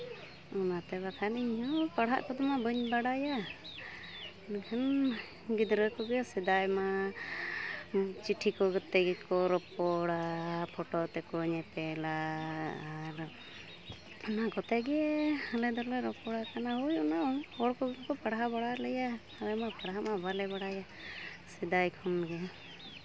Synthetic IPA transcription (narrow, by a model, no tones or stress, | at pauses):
ɔnat̪ɛbakʰaniɲɦɔpaɽɦa̰ʔkɔd̪ɔmabəɲbaɽaja | d̪ɛkʰan | ɡid̪ɾəkɔɡɛsɛd̪ajma | t͡ʃiʈʰikɔɡət̪ɛɡɛkɔɾɔpɔɽapʰɔʈɔt̪ɛkɔɲɛpɛlaː | ɾ | ɔnaɡɔt̪ɛɡɛhalɛd̪ɔleɾɔpɔɽakanaɦujɔnaɔɽkɔɡkɔpaɽɦabaɽaləjahalɛmapaɽɦamabalɛbaɽaja | sid̪ajkʰɔnɡɛ